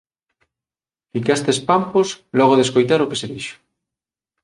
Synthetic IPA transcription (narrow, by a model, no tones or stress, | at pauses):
fikast̪espamposlɔɣ̞oðeskojt̪aɾʊkeseðiʃʊ̥